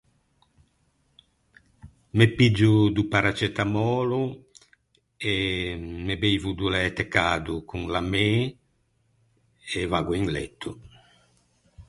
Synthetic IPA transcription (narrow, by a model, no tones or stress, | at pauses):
mepid͡ʒːud̪upaɾat͡ʃɛt̪amɔːlu | emebejvud̪ulɛt̪ekːaːd̪ukuŋlame | evaːɡuiŋlḛt̪ʰːu